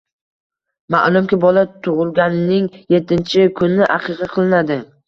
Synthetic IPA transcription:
ma̰ʔlˠʊmkʲɪbɒlat̪ʰʊʁɨlˠɡʲanɪnɪŋje̞t̪ʰːɪnt͡ʃʰɪkʰʊnːɪʔaqʰɨqʰɑqʰɨlˠɪnad̪ɪ

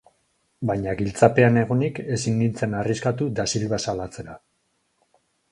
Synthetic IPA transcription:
bajɲaɣilt͡sape̞ane̞ɣonike̞sinːint͡se̞nariskat̪ud̪asilβasalat͡se̞ɾa

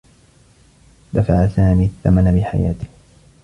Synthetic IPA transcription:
d̪afaʕasaːmiːθːamanabɪħa̰ja̰ːt̪ɪ̥h

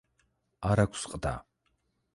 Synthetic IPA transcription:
aɾakʷsqʼd̪a̰ː

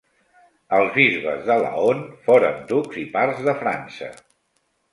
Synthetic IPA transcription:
əlˠzβizβə̰zðələ̰onfoɾənd̪uɡz̥iparzðəfɾansə̰

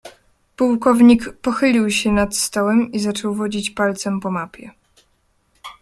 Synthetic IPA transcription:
puwkɔvɲikpɔxɘlʲiwɕɛnat̪st̪ɔwɛmizat͡ʂɔwvɔd͡ʑit͡ɕpalt̪sɛmpɔmapʲjɛ̰

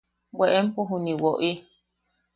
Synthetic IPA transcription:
weʔempuɦuniwoʔi

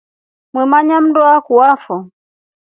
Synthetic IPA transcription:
mwɛmaɲam̩dɔakuwafɔ

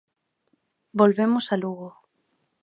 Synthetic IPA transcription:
bolβemʊsaluɣo

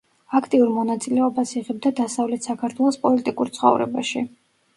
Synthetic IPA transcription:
akʰt̪ʼiuɾmɔnat̪sʼilɛɔbasiʁɛb̚d̪ad̪asavlɛt̪ʰsakʰaɾt̪ʰwɛlˠɔspʼɔlit̪ʼikʼuɾt̪sʰχɔ̰vɾɛ̰ba̰ʃi

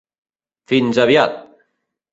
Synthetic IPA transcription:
finzaβjat̪̚

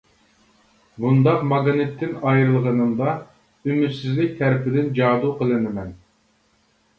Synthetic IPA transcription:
bund̪ɑqmɑɡɑnɨt̪ʰːɪnɑjɾɨlˠʁənɨmd̪ɑ | ymyɾsɪzlɪk̚ʲt̪ʰæɾɪpɪd̪ɪnd͡ʒɑːd̪uqʰəlˠɨnɨmɛn

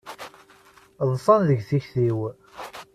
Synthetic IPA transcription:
ðˤfˤɑnðəʝθiçθiw

